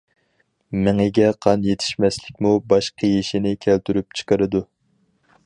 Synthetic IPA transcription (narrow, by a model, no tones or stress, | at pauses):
mɪŋɪɡʲɛqʰɑnjet̪ʰɪ̥ʃmɛslɪkʲmubɑʃqʰəjeʃinɪkʲʰælt̪ʰyɾyp̚t͡ʃʰɨ̥qəɾɨd̪u